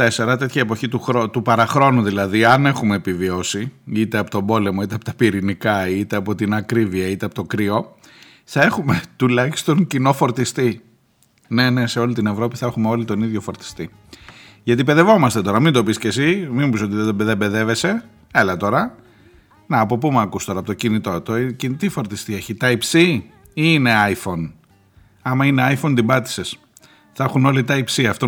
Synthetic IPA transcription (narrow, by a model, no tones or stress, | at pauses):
t̪ɐese̞ɾɐt̪e̞t̪çɐepo̞çit̪uxɾot̪upɐɾɐxɾo̞nuðilɐðiɐne̞xume̞ːpivio̞siit̪e̞ɐpo̞t̪o̞bo̞le̞mo̞it̪e̞ɐpot̪ɐ̥piɾinikɐit̪e̞ɐpo̞t̪inɐkɾiviɐit̪e̞ɐpo̞t̪o̞kɾio̞ | θɐe̞xume̞t̪ulɐçi̥st̪o̞ŋcino̞fo̞ɾt̪ist̪i | ne̞ne̞se̞o̞lit̪ine̞vɾo̞piθɐexumeo̞lit̪o̞niðʝo̞fo̞ɾt̪i̥st̪i | ʝɐt̪ipe̞ðe̞vo̞mɐst̪e̞t̪o̞ɾɐmind̪o̞pisce̞siminupiso̞t̪iðed̪obeðebe̞ðe̞ve̞se̞ | elɐt̪o̞ɾɐ | nɐːpo̞pumɐkust̪o̞ɾɐpt̪ocinit̪o̞t̪ocinit̪ifo̞ɾt̪ist̪ieçit̪ɐipsi | iːne̞ɐjfo̞n | ɐmɐine̞ɐjfo̞nd̪ibɐt̪i̥se̞s | θɐexuno̞lit̪ɐipsiɐft̪o